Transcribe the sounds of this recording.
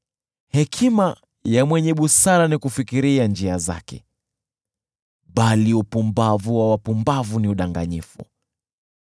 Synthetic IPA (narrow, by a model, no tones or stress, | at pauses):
hɛkʰima | jamwɛɲɛɓusaɾanikufikiɾiand͡ʒiaza̰kɛ̰ | ɓaliupumbavuwawapumbavuniuɗaŋɡaɲifṵ